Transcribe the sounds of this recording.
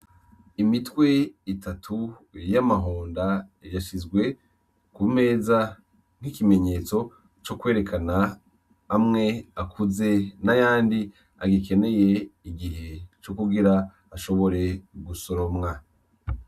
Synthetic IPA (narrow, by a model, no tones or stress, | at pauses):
imitwe̞itatʰu | jamaɦoːndajaʃizɡwe̞ | kume̞ːza | ŋ̥ikime̞ɲe̞ːt͡so̞ | t͡ʃokwe̞ːɾe̞kanaː | mŋe̞akʰuze̞najaːndi | a̰ɡike̞ne̞je̞iɡiɦe̞t͡ʃokuɡiɾa | aʃo̞βo̞ɾe̞ɡuso̞ɾo̞mŋa